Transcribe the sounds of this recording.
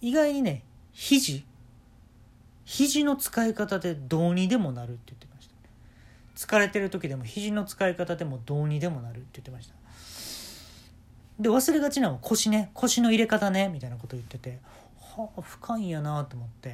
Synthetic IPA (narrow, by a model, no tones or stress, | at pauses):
iɡaiɲ̟ine̞çiʑi | çiʑino̞t͡sɨ̥kaikat̪ad̪e̞d̪o̞ːɲ̟id̪e̞mo̞naɾɯ̟t̪ːe̞jɯ̟t̪ːemaɕi̥t̪ḁn | t͡sɨ̥kaɾe̞t̪e̞ɾɯ̟t̪o̞kʲid̪e̞mo̞çiʑino̞t͡sɨ̥kaikat̪ad̪e̞mo̞d̪o̞ːɲ̟id̪e̞mo̞naɾɯ̟t̪ːe̞jɯ̟t̪ːemaɕi̥t̪ḁ | d̪e̞β̞asɨɾe̞ɡat͡ɕinãɰ̃βakʰo̞ɕine̞kʰo̞ɕino̞iɾe̞kat̪ane̞mʲit̪ainako̞t̪o̞ːjɯ̟t̪ːe̞t̪e̞ | haɸɯ̟̥kʰãĩjanat̪o̞ːmo̞t̪ːe̞